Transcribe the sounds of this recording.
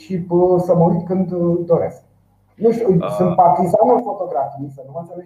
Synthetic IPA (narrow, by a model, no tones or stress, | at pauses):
ʃipsəməwujt̪kɨnd̪d̪oɾesk̚ | nuʃt̪ʲusɨnt̪̚part̪izanofot̪oɡɾafisənumasəne